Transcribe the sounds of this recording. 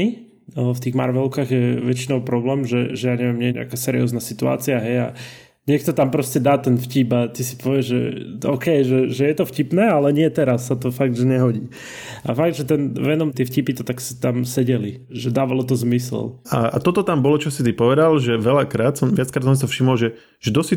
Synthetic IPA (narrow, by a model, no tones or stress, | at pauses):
ft̪iːɣma̰ɾʋɛlkaːɣjɛʋɛt͡ʃinɔʊpɾɔblɛːmʒɛʒɛjaːɲɛʋɪɛmɲɛjɛɲɛ̰akaːsɛɾḭɔ̰ːznasit̪ua̰ːt͡siaɦɛja̰ | ɲɪɛkt̪ɔt̪ampɾɔscɛd̪aːt̪ɛnfciːpat̪isi̥pɔʋɪɛʒʒɛ̰ɔ̰ːkɛjʒɛʒɛjɛt̪ɔfcipnɛːalɛɲɪɛt̪ɛɾasːat̪ɔfaɡ̚d̪ʒɛɲɛɦɔɟḭː | afaɡ̚d̪ʒɛt̪ɛnʋɛnɔmt̪ɪɛfcipit̪ɔt̪akst̪amsɛɟɛli | ʒɛd̪aːʋalɔt̪ɔzmislaa̰t̪ɔt̪ɔt̪ambɔlɔt͡ʃɔsit̪ipɔʋɛd̪alʒɛʋɛlakɾaːt̪sɔmʋɪatt͡skɾat̪sɔnsiafʃimɔlʒɛ | ʒ̥ɛd̪ɔsi